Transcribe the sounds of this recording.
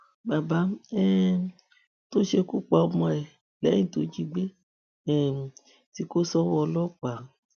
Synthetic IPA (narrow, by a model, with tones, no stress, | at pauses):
ba˨ba˨˦ɛ˦ | to˦ʃe˧ku˦˨k͡pa˨ɔ˧mɔ̃˧ɛ˨ | lɛ˨˦ĩ˦˨to˨˦d͡ʒi˦ɡ͡be˦ | ɛ˨ | ti˧ko˦sɔ˦wɔ˧lɔ˦k͡pa˨˦